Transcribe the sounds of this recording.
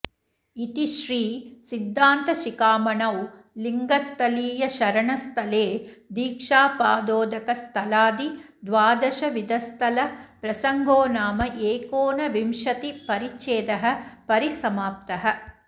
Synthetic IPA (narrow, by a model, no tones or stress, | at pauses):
it̪iʃɾiːsid̪ʱːaːnt̪ɐʃikaːmɐɳɐw | liŋɡɐst̪ʰɐliːjɐʃɐɾɐɳɐst̪ʰɐleːd̪iːkʂaːpaːd̪oːd̪ɐkɐst̪ʰɐlaːd̪id̪ʋaːd̪ɐʃɐʋid̪ɐst̪ʰɐlɐpɾɐsɐŋɡoːnaːmɐʔeːkoːnɐʋimʂɐt̪ipɐɾit͡ʃːeːd̪ɐɦɐ̆pɐɾisɐmaːp̚t̪ɐɦɐ̆